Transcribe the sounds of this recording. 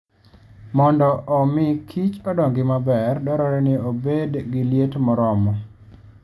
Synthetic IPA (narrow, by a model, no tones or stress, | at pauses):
mɔndɔʔːmɪkʰit͡ʃɔdɔŋɡɪmabɛrdɔɾɔɾɛnɪobedɡɪljetmɔɾɔmɔ